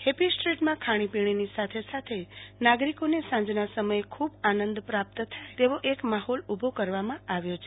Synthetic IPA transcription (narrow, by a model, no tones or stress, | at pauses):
hepisʈɾiʈmãkʰaɽ̃ipiɽ̃inisat̪ʰesat̪ʰenaɡɾikonesãɲd͡ʒnasəməjekʰubanə̃nd̪pɾap̚t̪t̪ʰaet̪eʋoʔekmaɦɔlubʱokəɾʋamãʔaʋjot͡ʃʰ